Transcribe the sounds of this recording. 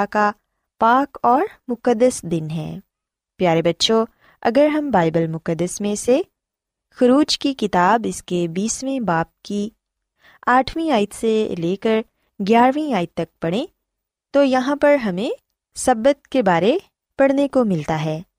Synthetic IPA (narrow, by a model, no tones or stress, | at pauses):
ka | paːkɔːɾmʊkəd̪ːəsd̪ɪnɦɛ̰ː | pjaːɾebɐtːʃo | ɐ̰ɡəɾɦɐmbaːɪbəlmʊkəd̪ːəsmẽse | xʊɾuːd͡ʒkikɪt̪aːbɪskebiːsmẽbaːp̚ki | aːʈʰʋĩaːɪt̪seleːkəɾ | ɡjaːɾʋĩaːɪt̪̚ːɐk̚pɐɽ̃ẽ | t̪ojɐɦãpɐɾɦɐmẽ | sɐbət̪̚kebaːɾe | pɐɽnekomɪlt̪aɦɛː